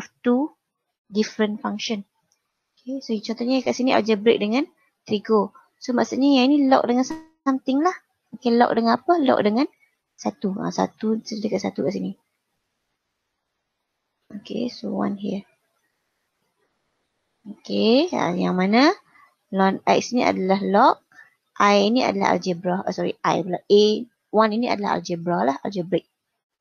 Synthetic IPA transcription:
ɔft̪u | difɾənfaŋʃən | okʰesot͡ʃɔnt̪ɔʔɲakaʔsiniʔa̰d͡ʒəbɾḛk̚dəŋãn | t̪ɾiɡo | somaʔsuʔɲajainilɔ̰k̚dəŋans | amt̪ɪŋlah | okelɔ̰k̚dəŋanapəlɔ̰k̚dəŋãn | sat̪ua̰sa̰t̪usədəkaʔsat̪ukaʔsini | okḛsowa̰nɦiə | okea̰jaŋmanə̃ | lɔnɛ̰k̚siniʔa̰dalahlɔk̚ | ʔajinia̰dala̰ha̰ld͡ʒəbɾaasɔɾḭʔa̰jbəlɔʔ̚e | waninia̰dalaɦa̰ld͡ʒəbɾalaha̰ld͡ʒəbɾek̚

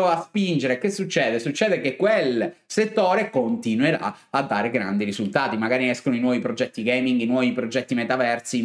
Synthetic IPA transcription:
aspind͡ʒeɾekesːut͡ʃːɛːd̪esut͡ʃːɛːd̪ekekːwelset̪ːoːɾekont̪inweɾa̰ | ad̪ːaːɾeɡɾa̰nd̪iɾizult̪aːt̪imaɡaːɾiɛskonoinwɔːvipɾod͡ʒɛt̪ːiɡejmiŋɡinwɔːvipɾod͡ʒɛt̪ːimet̪avɛrsi

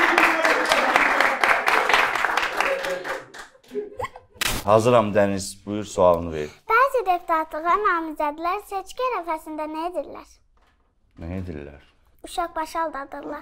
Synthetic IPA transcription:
hɑzɯɾɑmd̪ænizbujuɾsuɑlˠɯnɯvḛɾipb̥æːzid̪e̞pʰu̥t̪ʰɑt̪ʰlˠɯɣɑnɑːmizæd̪ilæɾset͡ʃcʲiæɾæfæsind̪ænæed̪iɾlæ̰ɾ̥ | næjed̪illːæ̰ɾ | uʃɑq̚bɑʃɑlˠd̪ɑd̪ɯɾlˠɑɾ

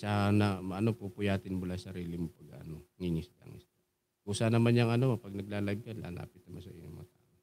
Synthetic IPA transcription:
sanɐmʔɐnopupʊjaːt̪ɪnbʊlajsɐɾiːlɪmopɐɡɐʔɐnoŋiŋɪsla̰ŋɪ̰s | ʔuːsanɐmanjɐŋɐnopɐɡ̚nɐɡ̚laːlɐɪb̚kanla̰ːla̰ːpɪt̪̚nɐmansɐ̰ʔɪ̰ɲo̰ŋmɐ̰ŋat̪aːʔo

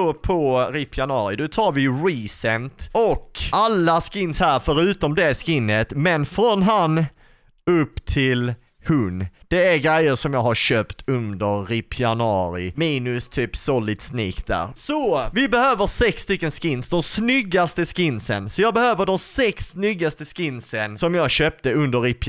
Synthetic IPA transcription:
ɔpʰɔɾɪpʰɪanɑːɾɪd̪ɔt̪ʰɑːɾvɪɾiːsɛnt̪ɔkːalːaskɪnːshæːɾfœɾʉ̟ːt̪ɔmd̪ɛskɪnːət̪mɛnfɾɔnɦan | ɵpːt̪ʰɪl | hɵnd̪̥ɛæɾɡɾæjːəɾʂɔmjɑːɡɦaɾɕøːpt̪ʰɵnd̪əɾːɪpʰɪanɑːɾɪ̰miːnɵst̪ʰyːpsɔlɪt̪sniːk̚d̪æ̰ɾsɔvɪbɛhøːvəɾsɛkst̪ʏkːənskɪnsd̪ɔmsnʏɡːast̪əskɪnsə̰nsɔjɑːbɛhøːvəɖɔmsɛksːnʏɡːast̪əskɪnsənsɔmjɑːɡɕøːp̚t̪əɵnd̪əɾɪp

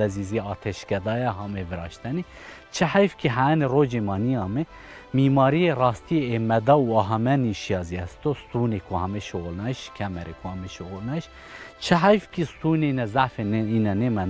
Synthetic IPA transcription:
ɛziːziɑːt̪ʰɛʃkɛd̪ɑːjɛɦɑːmevɨɾɑ̰ːʃt̪ɛni | t͡ʃʰɪhæjfkiɦæneroːd͡ʒemɑːnijɑːmɪ | miːmɑːɾijerɑːst̪ijeemɛd̪ɑːuɑɦɑmɛniʃijɑːziɛst̪ost̪unekʰohɑmeʃoɣolnɑːiʃkʲʰɛmɛɾekʰohɑmeʃoɣolnɑːiʃ | t͡ʃʰɪɦæjfkist̪unenɛzaʕfeninɛnemɛn

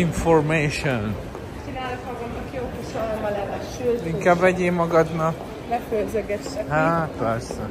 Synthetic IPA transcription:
iɱformeːʃon | t͡ʃinaːlokmɒɡɒd̪nɒkiokoʃolomɒlɛmɛʃøliŋkaːbʋɛɟeːmːɒɡɒd̪nɒk | mɛfølzøɡɛt͡ʃːɛɦapɛrsɛ

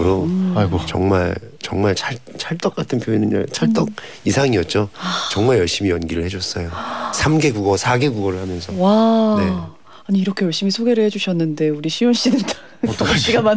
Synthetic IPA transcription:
ɾot͡ɕʌ̰ŋmaɭt͡ɕʌŋmaɭt͡ɕʰaɭt͡ɕʰaɭt͈ʌk͈atʰɯnpʰjoinɯnʌ̰t͡ɕʰaɭt͈ʌk̚ | isʰaŋiʌt̚t͡ɕ͈ot͡ɕʌŋmaɭjʌɭɕ͈imijʌnɡiɾɯɭhe̞d͡ʑʌs͈ʌjosʰamɡe̞ɡuɡʌsʰaɡe̞ɡuɡʌɾɯɭhamjʌnsʰʌwane̞ | aɲiːɾʌkʰe̞jʌɭɕ͈imisʰoɡe̞ɾɯɭhed͡ʑuɕʰʌnːɯnde̞uɾiɕʰijonɕ͈idɯtʰ | ɕ͈iɡaman

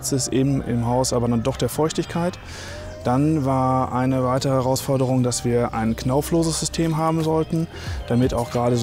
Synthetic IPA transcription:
t͡sɪsʔɪbm̩ʔɪ̰mɦaʊsʔaːbɐdandɔχd̥eːɐfɔʏçtɪçkʰaɪt | d̥anvaːɐʔa̰ɪnəvaɪtəʁəhɛʁaʊsfɔɐdəʁ̞ʊŋdasv̥iːɐʔa̰ɪnknaʊfloːzəsz̥ʏstʰeːmɦaːbm̩zɔltn̩ | d̥amɪta̰ʊxɡ̥ʁaːdəz

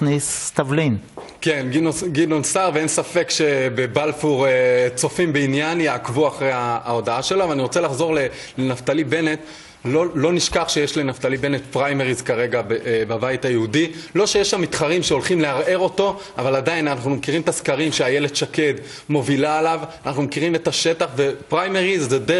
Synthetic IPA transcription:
nist̪avlin | ke̞nɡinoɡidonsaʁveensafe̞kʃe̞bebalfuʁet͡so̞fimbeinjanjeakvuaχʁejaao̞daaʃe̞loavaniʁo̞t͡se̞laχzo̞ʁle̞ | lenaft̪alibe̞ne̞t̪ | lolo̞niʃkaχʃejeʃlenaft̪alibe̞net̪pʁajmeʁizkaʁe̞ɡabebabajthajeudilo̞ʃejeʃamːit̪χaʁimʃeolχimleaʁe̞ʁo̞to̞ | avaladainanaχnumekiʁimtaskaʁimʃeajeled̪ʃake̞d | mo̞vilaːlavanaχnumekiʁime̞taʃe̞taχvepʁajmeʁizːede

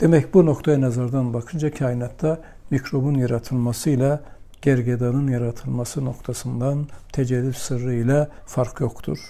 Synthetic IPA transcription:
d̪̥emæcbuno̞kt̪ʰajanɛzɑɾd̪ɑnbɑkʰɯnd͡ʒɑcʰɑːjinɑt̪ːa | micʰɾo̞bunjɑɾɑt̪ʰɯlˠmɑsɯila | ɟ̥æɾɡed̪ɑnɯnjɑɾɑt̪ʰɯlˠmɑsɯno̞kt̪ʰɑsɯnd̪ɑnt̪ʰæd͡ʒælːybsɯɾːɯilæ | fɑɾkʰjo̞xt̪ʰṵɾ̥

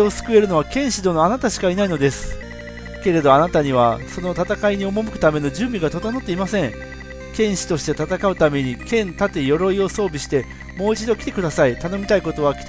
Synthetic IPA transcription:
osɨ̥kɯ̟e̞ɾɯ̟no̞akẽ̞ɰ̃ɕid̪o̞no̞anat̪aɕi̥kainaino̞d̪e̞sɨ̥ | ke̞ɾe̞d̪o̞anat̪aɲ̟iβaso̞no̞t̪at̪akaiɲ̟io̞mo̞mɯ̟kɯ̟t̪ame̞no̞d͡ʑɨ̃ːmbʲiɡat̪o̞t̪anot̪ːe̞imasẽ̞ŋ | kẽ̞ɰ̃ɕi̥t̪o̞ɕi̥t̪e̞t̪at̪akaɯ̟t̪ame̞ɲ̟ikẽ̞nt̪at̪ejo̞ɾo̞io̞so̞ːbʲiɕi̥t̪e̞ | mo̞ːit͡ɕid̪o̞kʲi̥t̪e̞kɯ̟d̪asait̪ano̞mʲit̪aiko̞t̪o̞β̞akʲi̥t̪

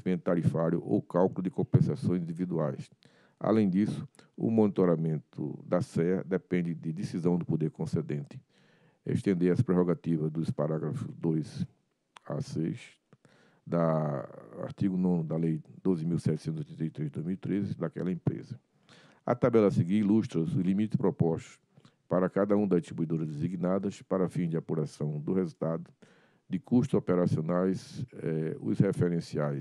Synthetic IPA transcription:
imẽnt̪ʊt̪aɾifaɾjʊ̰ʔo̰wkawkʊulʊd̪ɪkõpẽsasõj̃zĩd̪ivid̪uajs | a̰lẽj̃d̪isʊ̥ʊ̰mõnit̪oɾamẽnt̪ʰʊ̰d̪ɐsɛɐ̰d̪ɛpẽnd̪ɪd̪ɪd̪isizɐ̃w̃d̪ʊpod̪eɾkõsed̪ẽnt̪ɪ̥ | ḛʃt̪ẽnd̪eɾɐspɾeɦoɡat̪ivɐzd̪ʊspaɾaɡɾɐfʊzd̪ojz | a̰sejs | d̪ɐ | a̰ɾt̪iɡʊnõnʊd̪ɐlejd̪ozɪmiwsɛt̪ɪsẽt̪zojt̪ẽt̪ejt̪ɾezd̪ojzmiwit̪ɾezɪd̪akɛ̰lɐẽpɾḛzɐ | ɐ̰t̪abɛlɐsɪɡiiluʃt̪ɾɐsʊzlimit̪ɪ̥spɾɔpɔʃt̪ʊ̥ | paɾɐkad̪ɐũd̪ɐziʃt̪ɾibuid̪oɾɐzd̪eziɡnad̪ɐspaɾɐfĩzd͡ʒɪapuɾasɐ̃w̃d̪ʊhezut̪ad̪ʊ | d̪ɪkuʃt̪ʊzɔpɛɾasionajsɛʊ̰shefɛɾẽsiajs

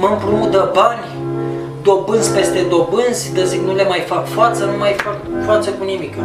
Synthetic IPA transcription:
məmpɾoud̪əbanʲ | d̪o̞bɨnzʲpe̞st̪e̞d̪o̞bɨnzʲt̪əziknule̞majfakfat̪sənumajfakfat̪səkunimik

